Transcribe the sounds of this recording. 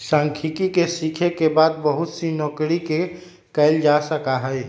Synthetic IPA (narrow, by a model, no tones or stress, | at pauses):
sãːŋkʰikikesikʰekebaːd̪̚bəɦʊt̪sinɔːkɾike | kəɪld͡ʒasəkaɦɛɛ